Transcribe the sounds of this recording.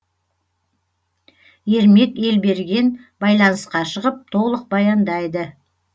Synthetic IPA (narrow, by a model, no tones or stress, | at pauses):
je̞ɾme̞t̪e̞lbe̞ɾɡʲe̞nbɑjlˠɑnəsqɑʃəʁəp̚t̪ʰo̞lˠəq̚bɑjɑnd̪ɑjd̪ə